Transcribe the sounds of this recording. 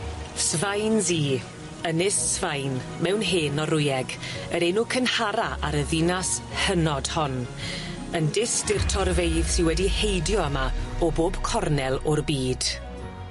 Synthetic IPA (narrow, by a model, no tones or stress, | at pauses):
svajnziː | ənɪssvajn | mɛwnɦeːnɔɾʊjɛɡəɾenukʰənhaɾaʔaɾəðɪnashənɔd̥hɔn | əndɪstɪrtʰɔrvejð̥sɪwɛdihejdjɔəmaɔboːb̥kʰɔrnɛlˠɔrbiːd̥